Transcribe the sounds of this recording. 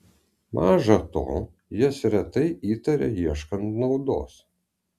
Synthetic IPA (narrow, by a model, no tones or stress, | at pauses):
mʔɑːʒɐt̪o̰ː | jɪsɾʲɛt̪ɐɪʔiːt̪ɐɾʲɛ̰iɛʃkɐnt̪nɒʊd̪o̰ːs